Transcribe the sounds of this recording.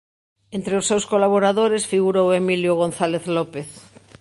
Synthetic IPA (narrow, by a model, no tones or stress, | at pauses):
ent̪ɾeosːewskolaβoɾaðoɾesfiɣuɾowemiljoɣ̞onθaleθlopeθ